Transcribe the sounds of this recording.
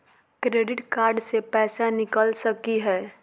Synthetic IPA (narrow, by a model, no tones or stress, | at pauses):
kɾeːɖɪʈkaːɾɖsepɛːsanɪkəlsəkiɦɛː